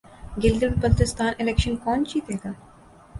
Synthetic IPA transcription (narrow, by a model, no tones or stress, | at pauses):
ɡɪlɡ̪əbpəlt̪ɪst̪aːnɪlɛːkʃənkɔːnt͡ʃiːt̪ɦeːɡaː